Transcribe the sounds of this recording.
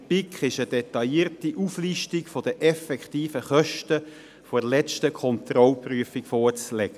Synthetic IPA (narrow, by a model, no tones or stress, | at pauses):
pikχɪʃəd̥ɛtɑjiːɾtiʔufliʃtikfod̥əʔɛfɛkχtiːfəχœʃtə | fɔlɛt͡ʃtəkʰɔntrɔlpryəfikfoːrt͡slɛɡ̥ə